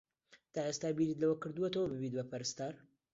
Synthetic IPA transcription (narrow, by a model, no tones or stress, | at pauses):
t̪ʰaːʔest̪aːbiɾit̪lɐwɐkɨɾd̪uet̪ɐwɐbɨbit̪̚bɐpʰɐɾɨst̪aːɾ